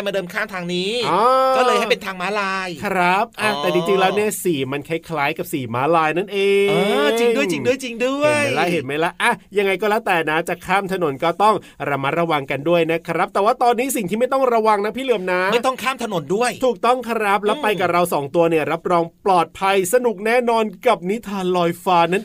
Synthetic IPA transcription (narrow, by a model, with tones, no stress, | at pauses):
jmaː˧dɤː˧mkʰaː˥˩mt̪ʰaː˧ŋniː˦˥ɔː˧kɔ˥˩lɤː˧jha˥˩pe˧nt̪ʰaː˧ŋmaː˦˥laː˧jkʰɾa˦˥p̚ʔa˧˩t̪ɛː˨˩t͡ɕi˧t͡ɕi˧ŋlɛː˦˥wni˥˩əsiː˨˩˦ma˧nkʰa˦˥jkʰlaː˦˥jka˨˩p̚siː˨˩˦maː˦˥laː˧jna˥˩nʔeː˧t͡ɕi˧ŋdu˥˩jt͡ɕi˧ŋdu˥˩əjt͡ɕi˧ŋdu˥˩əjlɛ˦˥ɦe˨˦nma˦˥jlɛ˦˥ʔʔa˧˩ja˧ŋa˧jkɔː˥˩lɛ˦˥t̪ɛː˨˩na˦˥t͡ɕa˨˩kʰaː˥˩mt̪ʰa˧no˨˩˦nkɔː˥˩t̪ɔ˥˩ŋ | ɾa˧ma˦˥t̪̚ɾa˧wa˧ŋka˧ndu˥˩əjna˦˥kʰɾa˦˥p̚t̪ɛː˨˩waː˥˩t̪ɔː˧nːiː˦˥s̬i˨˩ŋt̪ʰiː˥˩a˥˩jt̪ɔ˥˩ŋɾa˧wa˧ŋna˦˥pʰiː˥˩lɯ˨˩əmna˦˥ʔm˥˩jt̪ɔ˥˩ŋkʰaː˥˩mt̪ʰa˧no˨˩˦ndu˥˩əj̪ʰuː˨˩k̚t̪ɔ˥˩ŋkʰa˧˥ɾa˦˥p̚lɛ˦˥wpa˧jka˨˩ɾa˧wsɔː˩˦ŋt̪u˧ɐni˥˩ɐəɾa˦˥p̚ɾɔː˧ŋplɔː˨˩t̪̚pʰa˧jsa˧nu˨˩k̚nɛː˥˩nɔː˧nka˨˩p̚ni˦˥t̪ʰaː˧˦nlɔː˧jfaː˧na˦˥˩